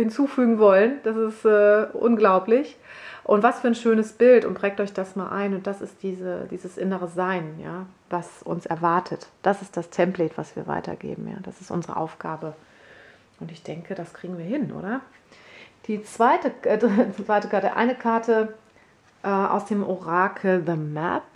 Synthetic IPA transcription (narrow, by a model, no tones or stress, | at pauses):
hɪnt͡suːfyːɡŋ̩vɔlənd̥asɪstɛːʔʊ̰nɡlaʊplɪçʔʊntv̥asfyːɐnʃøːnəsb̥ɪltʊ̰nt̚b̥ʁɛːktɔʏçd̥asmaːlʔa̰ɪnʊnt̚d̥asɪst̚d̥iːzə̰d̥iːzəsʔɪnəʁəzaɪnjaːvasʔʊ̰nsɛɐvaɐtʰətd̥asɪstd̥astʰɛmplɛːtv̥a̰sv̥ḭːɐva̰ɪtʰɐ̰ɡḛːbm̩ja̰ːd̥a̰sɪstʔʊ̰nzəʁə̰ʔa̰ʊfɡ̥aːbə | ʔʊntɪçd̥ɛŋkʰədaskʁ̥iːɡŋ̩viːɐɦɪnʔo̰ːdɐ | d̥iːt͡sv̥aɪtə | v̥aɪtəkʰaɐtə̰ʔa̰ɪnəkʰaɐtʰə | ʔɛːʔa̰ʊsd̥eːmʔoʁaːkʰl̩ðəmɛ̰p̚